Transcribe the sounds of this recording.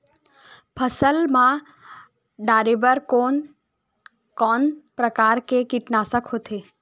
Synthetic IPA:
pʰəsəlmã | ɖaːɾebəɾkon | kɔːnpɾəkaːɾkekiʈnasəkɦoːt̪ʰe

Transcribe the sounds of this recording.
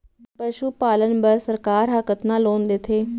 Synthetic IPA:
pəʃuːpaːlənbəɾsəɾkaːɾɦəkət̪nãːloːnd̪et̪ʰeː

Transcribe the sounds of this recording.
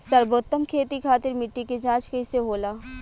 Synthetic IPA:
sɐɾboːt̪ːəmkʰeːt̪ikʰaːt̪ɪɾmɪʈːiked͡ʒãːt͡ʃkɐiseɦoːlaː

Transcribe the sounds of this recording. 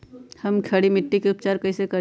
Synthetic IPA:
hɐmkʰɐɽimɪʈːikeʊp̚t͡ʃaːɾkɐisekɐ

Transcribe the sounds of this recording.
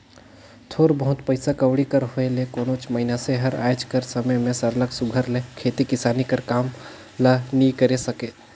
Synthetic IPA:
t̪ʰoːɾbəɦʊt̪pəɪsakɐʋɽikəɾɦoelekoːnoːt͡ʃməɦɪnaseɦəɾa̰ːd͡ʒkəɾsəməjmẽsɐɾləɡsʊɡʱəɾlekʰeːt̪ikɪsaːnikəɾkaːm | lanikəɾesɐkeː

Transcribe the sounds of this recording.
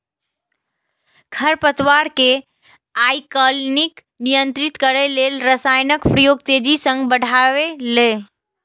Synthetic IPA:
ɡʱʰəɾpət̪waɾke | ajkəlnik | nijənt̪ɾit̪kəɾɛlelɾəsajnəkpɾijoɡ̚t͡ʃed͡ʒisə̃ŋɡbəɽʱaʋele

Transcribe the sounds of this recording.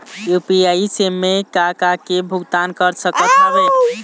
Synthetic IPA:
jupiaisemːekakakebʱuɡt̪ankəɾsəkət̪əbɛ

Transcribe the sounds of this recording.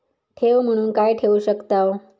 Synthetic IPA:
ʈʰeʋm̤əɽ̃uːnkajʈʰeuɕəkt̪aʋ

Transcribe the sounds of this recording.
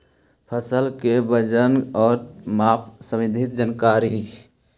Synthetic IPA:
pʰəsəlkebəd͡ʒənɔːɾmaːpʰsəmɪd̪ʱɪt̪̚d͡ʒənkaːɾi

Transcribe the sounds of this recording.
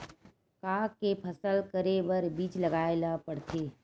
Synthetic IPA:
kaːkepʰəsəlkəɾebəɾbiːt͡ʃləɡaːelapəɽt̪eː

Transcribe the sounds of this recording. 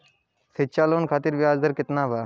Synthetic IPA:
sʰet͡ʃaːloːnkʰaːt̪iɾʋɪaːzd̪əɾkɪt̪naːba

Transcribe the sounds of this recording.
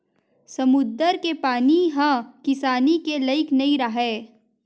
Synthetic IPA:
sɐmʊd̪əɾkepaːniɦãkɪsaːnikelɐɪknɐĩɾɐɦeː

